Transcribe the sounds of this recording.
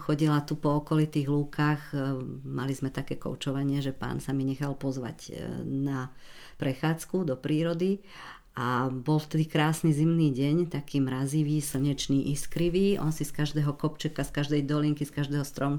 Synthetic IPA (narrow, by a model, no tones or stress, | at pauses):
xɔɟilat̪upɔɔkɔlit̪iːɣluːkaːxmalizmɛt̪akɛːkɔ̰ʊt͡ʃɔʋaɲɪɛʒɛpa̰ːnsamiɲɛxalpɔzʋa̰ɟna | pɾɛxaːt͡skud̪ɔpɾiːɾɔd̪i | ʔabɔlft̪ɛd̪ikɾaːsnizimniːɟɛɲt̪akiːmɾaziʋiːsl̩ɲɛt͡ʃniːʔiskɾiʋiːʔɔ̰nsiskaʒd̪ɛːɦɔkɔpt͡ʃɛkaskaʒd̪ɛjd̪ɔliŋkiskaʒd̪ɛːɦɔst̪ɾɔm